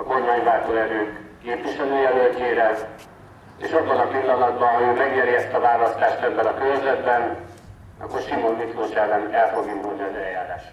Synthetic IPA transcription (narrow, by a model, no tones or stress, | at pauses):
ɒko̞rmaːɲvaːt̪oːɛɾøːkː | eːpʋiʃɛløːjɛlølceːɾɛ | ḛːʃɒbːɒnɒpilːɒnɒd̪bɒnojommɛɡɲɛɾjɛst̪ːɒvaːlɒst̪aːʃt̪ɛbːɛlɒkyølzɛd̪bɛn | ɒ̰kːorʃimoːnmit̪loːʃɛlɛnɛlfoɡint̪ozɒzɛjjaːɾaːʃ